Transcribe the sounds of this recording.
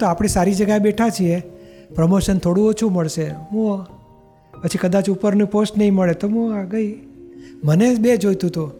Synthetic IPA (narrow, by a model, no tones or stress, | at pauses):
t̪oapɽ̃esaɾid͡ʒəɡaebeʈʰat͡ʃʰiepɾəmoʃənt̪ʰoɽũot͡ʃʰũməɭʃemo | pət͡ʃʰikəd̪at͡ʃupəɾnũposʈnəɦĩməɭet̪omoaɡəi | mənebed͡ʒojt̪ũt̪u